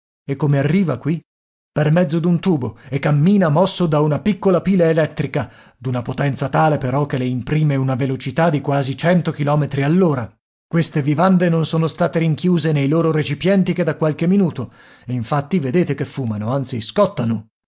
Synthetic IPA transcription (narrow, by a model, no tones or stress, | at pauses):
ekːomearːiːvakwi | permɛd̪zːod̪unt̪uːboekːamːiːnamɔsːod̪aunapikːolapiːleːlɛt̪ːɾika | d̪unapot̪ɛnt̪sat̪aːlepeɾɔk̟ːeleimpɾiːmeunavelot͡ʃit̪ad̪ːikwaːzit͡ʃɛnt̪ok̟ilɔːmet̪ɾialːoːɾa | kwest̪evivand̪enonsoːnost̪aːt̪eɾiŋkjuːzenejloːɾoɾet͡ʃipjɛnt̪iked̪ːakːwalk̟emːinuːt̪o | eiɱfat̪ːived̪eːt̪ekefːuːmanoant̪siskɔt̪ːano